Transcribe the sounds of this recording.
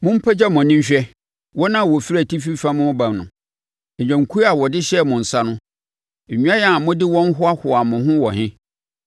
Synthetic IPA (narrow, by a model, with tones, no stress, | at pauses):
mʊ̃˦m̩˦pʰɛ˦d͡ʑɛ˦mɔ̃˨nĩ˦ɲ˦ɕᶣɛ˦ | wɔ˦nã˦˨wɔ˨fi˦ɾæ˨tʰi˦fi˦fa˦mʊ̃˦bã˨mnʊ̃˨ | ɛ˨ɲᶣã˨ŋ̩˨kʰu˦a˨wɔ˨dɪ˦ɕɛ˦˨mʊ̃˨n̩˨sa˦nʊ̃˦˨ | ɲᶣũ˦a˦jɛ˨˦a˨mʊ̃˦dɪ˦wɔ̃˦n˦ɦʊ˦a˦hʊ˨a˨mʊ̃˨hʊ̃˦wɔ˨ɦɪ̃˦